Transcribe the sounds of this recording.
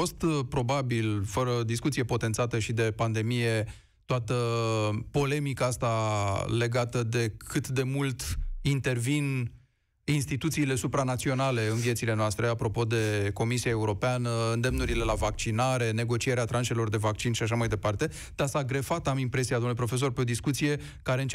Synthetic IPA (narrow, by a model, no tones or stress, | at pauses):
fo̞st̪pɾo̞babilfəɾəd̪iskut̪sije̞po̞t̪e̞nt̪sat̪əʃid̪e̞pand̪e̞mije̞ | t̪oat̪əpo̞le̞mikaast̪ale̞ɡat̪əd̪e̞kʰɨt̪d̪e̞mult̪int̪e̞rvin | inst̪it̪ut̪siːle̞supɾanat̪sio̞nale̞ɨnvijet̪sile̞noast̪ɾe̞apɾo̞po̞d̪e̞ko̞misiae̞uɾo̞peanəɨnd̪e̞mnuɾile̞lavak̚t͡ʃinaɾe̞ne̞ɡo̞t͡ʃie̞ɾeat̪ɾanʃe̞lo̞rd̪e̞vakt͡ʃinʃiaʃ̬amajd̪e̞part̪e̞ | d̪̥asaɡɾe̞fat̪amimpɾe̞siad̪omnulepɾo̞fe̞s̬o̞rpe̞o̞d̪iskut̪sije̞ | kaɾe̞ɨnt͡ʃ